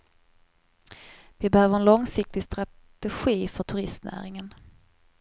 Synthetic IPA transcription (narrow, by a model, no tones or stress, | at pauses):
vɪbɛhøːvəɾɛnlɔŋsɪk̚t̪ɪɡst̪ɾa | tt̪ɛɧiːfœʈʰɵɾɪst̪næ̰ːɾɪŋən